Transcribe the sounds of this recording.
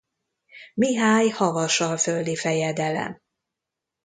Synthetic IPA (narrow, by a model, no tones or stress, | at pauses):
miɦaːjhɒvɒʃɒlfølːifɛjɛd̪ɛlɛ̰m